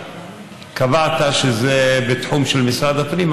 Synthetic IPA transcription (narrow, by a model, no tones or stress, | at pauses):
kavat̪aʃezebet̪ħumʃelmisʁad̪apnim